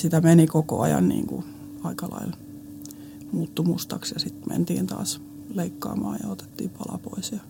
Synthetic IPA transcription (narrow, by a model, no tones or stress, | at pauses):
sit̪æmenikoko̰ɑjɑnnḭːŋkṵ | ɑikɑlɑil | muːt̪ːumust̪ɑksjɑsit̪mʔḛnt̪iːnt̪ɑ̰ːs | leikːɑːmɑːjɑot̪e̥t̪ːiːpɑlɑpo̰isjɑ